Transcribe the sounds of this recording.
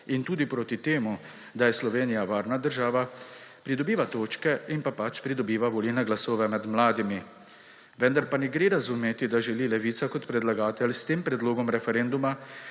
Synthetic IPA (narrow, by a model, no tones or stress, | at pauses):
int̪uːd̪ipɾoːt̪it̪eːmu | d̪ajɛslɔʋeːnijaʋaːɾnad̪əɾʒaːʋapɾid̪ɔbiːʋat̪oːt͡ʃkɛinpapat͡ʃpɾid̪ɔbiːʋaʋɔlilnɛɡlasoːʋɛmɛd̪mlaːd̪imi | ʋɛnd̪aɾpanɛɡɾeːɾazumeːt̪id̪aʒɛliːlɛʋiːt̪sakɔt̪pɾɛd̪laɡaːt̪ɛlst̪eːmpɾɛd̪loːɡɔmɾɛfɛɾɛnd̪uma